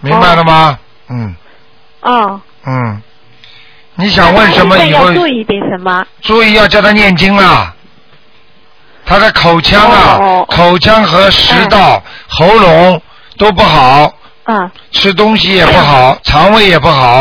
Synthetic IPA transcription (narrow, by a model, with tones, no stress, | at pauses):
mi˧˥ŋba˧ɪlə˩mɐ˧ | n̩˥˩ | n̩˥˩ | ni˧˥ɕ̬jɑ˨˩ŋwə˥˩nʂə˧˥nmə˧i˨˩xo˥˧ʊ˧˥˧ | t͡su˥˧i˥˧jɑ˥˧t͡ɕjɑ˥˧ʊt̪ʰa˥njɛ˥˩nt͡ɕi˥ŋɐ˨ | t̪ʰa˥d̪ə˨kʰo˨˩ʊt͡ɕʰjɑ˥ŋɐ˧kʰo˨˩ʊt͡ɕʰjɑ˥ŋxɤ˧˥ʂɻɻ̩˧˥t̪ɑ˥˩ʊxo˧˥ʊlʊ˧˥ŋ | t̪o˥ʊp̬u˥˩xɑ˨˩˦ʊ˩ | ʈ͡ʂʰɻ̩˥t̪̬ʊ˥ŋɕi˧˨jɛ˨˩pu˥˩xɑ˨˩˦ʊt͡sʰɑ˧˥ŋwe˧˥ɪjɛ˨˩pu˥˩xɑ˨˩˦ʊ